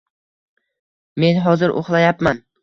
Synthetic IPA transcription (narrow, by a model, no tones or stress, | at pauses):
me̞nɦɒzɪɾʔo̰χlˠajapman